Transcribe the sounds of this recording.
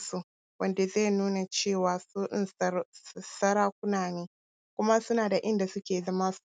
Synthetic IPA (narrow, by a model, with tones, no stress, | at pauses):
su˦˨ | wʔɐ˦ndeː˨zeː˦˨nuː˦na˨t͡ʃeː˦˨waː˨su˦ʔɪ˦˨ | sɐ˦ɾaː˦kʷʊ˦naː˨neː˦ | kʷʊ˦ma˦sʊ˦naː˨da˨ʔɪ˦nda˨sʊ˦kʲeː˨zɐ˦maː˦s